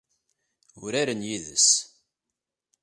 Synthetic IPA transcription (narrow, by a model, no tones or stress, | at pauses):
ʊɾaɾənjiðə̰s